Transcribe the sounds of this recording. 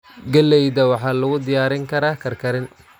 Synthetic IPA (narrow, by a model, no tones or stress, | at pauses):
ɡɐlːɛjd̪ɐwɑħɑːlʊɣʊd̪ɪjaːɾɪŋkʰɐɾaːkʰɐrkʰɐɾɪn